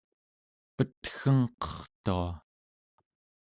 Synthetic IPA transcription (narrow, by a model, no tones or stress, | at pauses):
pət̪xəŋqʌ̥χt̪ua